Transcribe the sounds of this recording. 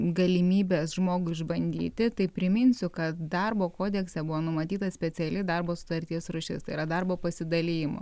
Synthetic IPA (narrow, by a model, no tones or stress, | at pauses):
ɡɐlʲɪmʲiːbʲeːsʒmoːɡʊɪʒbɐnʲd̪ʲḭːt̪ʲɪt̪ɐɪpʲɾʲɪmʲɪnʲsʲʊkɐt̪̚d̪ɐrboːkoːd̪ʲɛksʲɛbʊʋoːnʊmɐt̪ʲiːt̪ɐsʲpʲɛt͡s̪ʲɛlʲɪd̪ɐrboːsʊ̥t̪ɐɾʲt̪ʲiɛsɾʊʃʲɪ̰st̪ɐɪiɾɐd̪ɐrboːpɐsʲɪd̪ɐlʲɪjɪmo̰